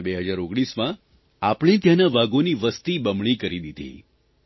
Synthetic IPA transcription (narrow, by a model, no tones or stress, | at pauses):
beɦəd͡ʒaɾoɡɽismã | apɽ̃ẽt̪jãnaʋaɡoniʋəst̪ibəmɳ̃ikəɾid̪id̪ʱḭ